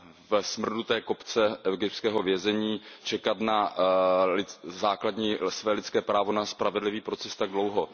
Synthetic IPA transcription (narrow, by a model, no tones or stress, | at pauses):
vɛsmr̩dut̪ɛːko̞pt͡sɛʔɛɡɪpt̪skɛːɦo̞vjɛzɛɲiːt͡ʃɛkat̪na | lɪzaːkladɲiːsvɛːlɪt͡skɛːpɾaːvo̞naspɾavɛdlɪviːpɾo̞t͡sɛst̪aɡ̚dlo̞wɦo